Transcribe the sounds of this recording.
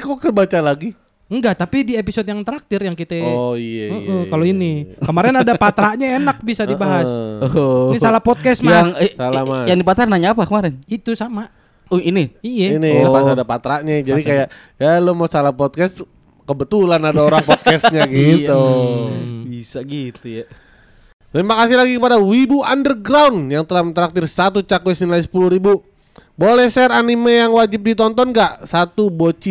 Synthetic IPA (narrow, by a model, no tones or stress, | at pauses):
kokərbat͡ʃalaɡi | ŋɡaʔt̪apidiepisodjaŋt̪əɾak̚t̪ɪrjaŋkit̪eoijɛm̩kaloinikəmaɾɛnadapat̪ɾaʔɲaenak̚bisadibaɦas | salahpɔt̪̚kɛsmjaŋsalamajaŋdipat̪ɾanaɲaːpakəmaɾɛnit̪usama | iniijɛinipasadapat̪ɾaʔɲad͡ʒadikajaʔ | jalomasalahpɔt̪̚kɛst̪ | kəbət̪ulanadaoɾaŋpɔt̪̚kɛsɲaɡit̪u | bisaɡit̪uja | t̪imbakasɪlaɡikəpadawibuandərɡɾawnjaŋt̪əlahmət̪əɾak̚t̪ɪrsat̪̬ut͡ʃakwsnilais̬ə̥puluhɾibu | bolɛhsɛɾanimejaŋwad͡ʒɪp̚dit̪ɔnt̪ɔnɡaʔsat̪ubot͡ʃi